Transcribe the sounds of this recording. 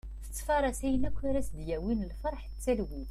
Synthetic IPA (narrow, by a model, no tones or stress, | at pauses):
θə̥t͡sːfɑɾˤɑsæjənækʷːæɾæsd̪jæwinəlfɑɾˤħt͡sːælwiθ